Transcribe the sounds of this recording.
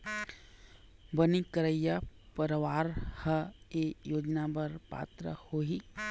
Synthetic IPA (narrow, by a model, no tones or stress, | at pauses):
bənikəɾəjjapəɾəʋaːɾhəejoːd͡ʒnabɐɾpa̰ːt̪ɾə̰hoːɦi